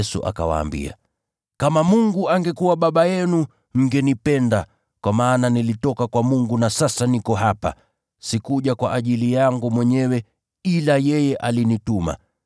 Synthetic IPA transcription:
sṵʔa̰ka̰wa̰ːmbḭa̰ | kamamuŋɡuaŋɡɛkuwaɓaɓajɛnu | ŋ̩ɡɛnipɛnda | kwamaːnanilitɔkakwamuŋɡunasasanikɔɦapa̰ | sikuʄakwaʔaʄilijaŋɡumwɛɲɛwɛ | ilajɛjɛʔalinituma̰

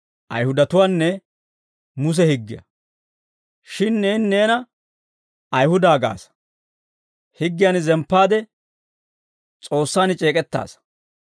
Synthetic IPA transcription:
ʔɐ̰jhʊd̪ɐt̪ʊwaːnːɛ | mʊs̬ɛhɪɡːɪjɐ̰ | ʃɪnːeːnːe̞ːnɐ | ɐjhʊd̪aːɡa̰ːs | hɪɡːɪjaːnzɛmpːaːd̪ɛ | t͡sʼo̞ːsːaːnɪt͡ʃʼe̞ːkʼɛt̪ːa̰ːs

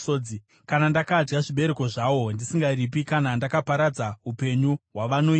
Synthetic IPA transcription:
od͡zi | kanandakad͡ʒɡaʐiɓe̞ɾe̞ko̞ʐawo̞ndisiŋɡarip̬ikanandakapaɾad͡zaupe̞ɲuɦwaʋano̞i

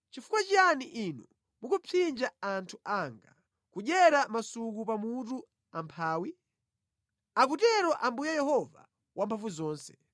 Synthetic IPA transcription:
t͡ʃifu̥kwat͡ʃianiʔinu | mukupʰind͡ʒaantʰuʔaŋɡa | kuɗɛɾamasukupamutu | ampʰaːwi | ak̬utɛɾɔʔambujajɛhɔva̰ | wʔampʰavuzɔːnsɛ̥

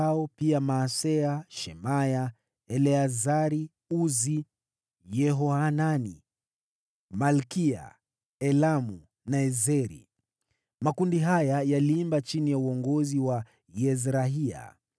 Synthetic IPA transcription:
aɔpiamaːsɛaʃɛmaja | ɛlɛazaɾi | uzi | jɛɦɔananḭ | malkia̰ | ɛlamu | naɛzɛɾḭ | makundiɦajajaliimbat͡ʃinijauɔŋɡɔziwa | jɛzɾaɦia̰

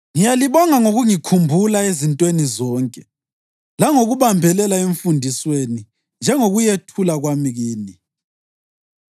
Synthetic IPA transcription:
ŋijaliβɔŋaŋoɣuŋikʰumbʱulaezintʼwenizɔːŋkʼɛ | laŋoɣuβambʱɛlɛlaeɱfundʱisweni | nd͡ʒʱɛŋoɣujetʰulaɣwamiɣiːni

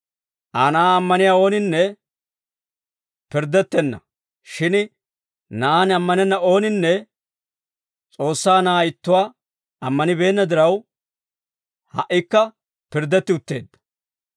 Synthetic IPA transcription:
ʔaːnaːɐmːɐnɪjaːo̞ːnɪnːɛ | pɪɾd̪ːɛt̪ːɛnːɐ̰ | ʃɪn | nanɐmːɐnɛnːɐo̞ːnɪnːɛ | t͡sʼo̞ːsːaːnaːɪt̪ːʊwaː | ɐmːɐnɪbe̞ːnːɐd̪ɪɾɐw | hɐ̰ʔːɪkːɐ | pɪɾd̪ːɛt̪ːɪʊt̪ːe̞ːd̪ːɐ̥

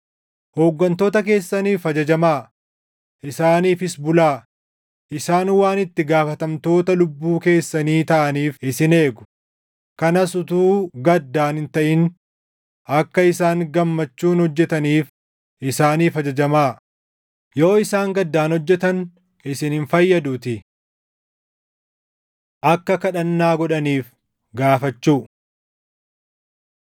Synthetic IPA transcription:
hoːɡːɐnt̪o̞ːt̪ɐk̬e̞ːsːɐniːfɐd͡ʒɐd͡ʒɐmaː | ʔɪsaːniːfɪsbʊlaː | ʔɪsaːnwaːnɪt̪ːɪɡaːfɐt̪ɐmt̪o̞ːt̪ɐlʊbːuːke̞ːsːɐniːt̪ɐʔɐniːfɪsɪne̞ːɡʊ̥ | kɐnɐsʊt̪uːɡɐd̪ːaːnhɪnt̪ɐʔɪn | ʔɐkːɐɪsaːŋɡɐmːɐt͡ʃːuːnhɔd͡ʒːɛt̪ɐniːf | ʔɪsaːniːfɐd͡ʒɐd͡ʒɐmaː | jo̞ːɪsaːŋɡɐd̪ːaːnhɔd͡ʒːɛt̪ɐn | ɪsɪnhɪnfɐjːɐd̪uːt̪ɪ | ʔɐkːɐkɐᶑɐnːaːɡɔᶑɐniːf | ɡaːfɐt͡ʃːuː

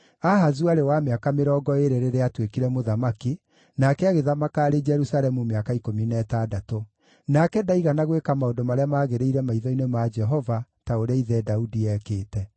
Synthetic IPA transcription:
aɦazuaɾewameakameɾɔːɡɔeɾeɾeɾeatwekiɾɛmoðamaki | nakɛaɣeðamakaːɾed͡ʒɛɾusalɛmumeakaikominɛtadato | nakɛdaiɣanaɣwekamaodomaɾeamaːɣeɾeiɾɛmaiðɔinemad͡ʒɛɦɔvataoɾeaiðɛdaudiɛːkeːtɛ

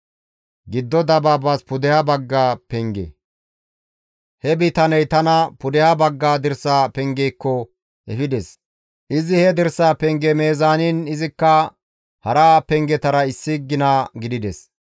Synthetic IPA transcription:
ɡɪd̪ːɔd̪ɐbaːbaspʊd̪ɛhabɐɡːaːpɛŋɡɛ̰ | hɛbɪt̪ɐnɛjt̪ɐnɐpʊd̪ɛhabɐɡːaːd̪ɪɾsːaːpɛŋɡɛjkːɔ | ʔɛfɪd̪ɛs | ʔɪzɪhɛd̪ɛɾsːaːpɛŋɡɛme̞ːzaːninɪzɪkːɐ | hɐɾaːpɛŋɡɛt̪ɐɾɐɪsːɪɡːɪnaɡɪd̪ɪd̪ɛs

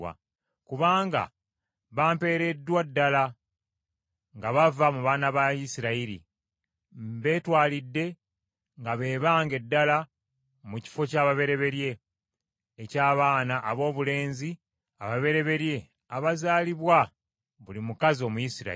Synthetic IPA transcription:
a̰ | kuβaːŋɡa̰ | βaːmpe̞ːɾe̞dːwadːala | ŋɡaβavamuβaːnaβajisiɾaiɾḭ | mbe̞ːtwaːlidːe̞ | ŋɡaβe̞ːβaːŋɡe̞dːala | muci̥fo̞caːβaβe̞ɾe̞βe̞ɾje̞ː | caːβaːnaʔːβo̞ːβule̞ːnzi | aβaβe̞ɾe̞βe̞ɾje̞ | aβazaːliβwa | βulimukazio̞ːmujisiɾa̰

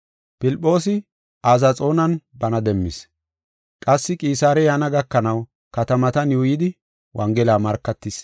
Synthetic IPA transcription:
pɪlpʼːo̞ːsɪ | aːzat͡sʼo̞ːnɐnbɐnɐd̪ɛmːɪs | kʼɐsːɪkʼiːsaːɾɛjɐnɐɡɐkːɐnɐw | kɐt̪ɐmɐt̪ɐnjuːjɪd̪ɪ | wʔɐŋɡɛlaːmɐɾkːɐt̪ːɪs

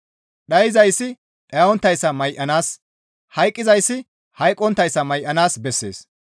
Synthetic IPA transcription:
ɗɐjɪzɐjsːɪ | ɗɐɔnt̪ːɐjsːɐmɐjʔɐnaːs | hɐjkʼːɪzɐjsːɪ | hɐjkʼːɔnt̪ːɐjsːɐmɐjʔɐnaːsbɛsːḛːs

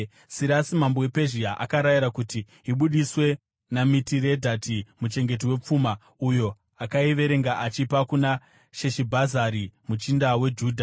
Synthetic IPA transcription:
siɾasimambowe̞pe̞ʒiaʔakaɾajiɾakuti | iɓuɗiswe̞ | namitire̞dʱatimut͡ʃe̞ŋɡe̞t̬iwe̞p͡fuːma | ujo̞ | akaiʋe̞ɾe̞ŋɡaʔat͡ʃipakuna | ʃeʃibʱazaɾimut͡ʃindawe̞d͡ʒuːdʱa

